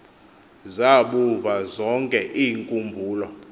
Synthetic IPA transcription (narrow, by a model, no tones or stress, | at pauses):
zaɓuvazɔŋkʼɛʔiːŋkʼumbʱuːlɔ